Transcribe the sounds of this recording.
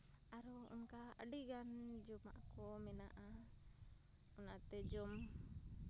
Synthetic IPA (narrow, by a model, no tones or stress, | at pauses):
aɾɔ | iŋka | aɖiɡan | d͡ʒumaʔkɔmɛnaʔa | ɔnat̪ɛd͡ʒɔm